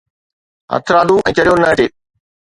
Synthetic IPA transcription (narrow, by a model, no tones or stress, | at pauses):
ɦɐ̰t̪ʰɾaːd̪ʱuʔɛ̃ːt͡ɕɐɽijonɐʈeː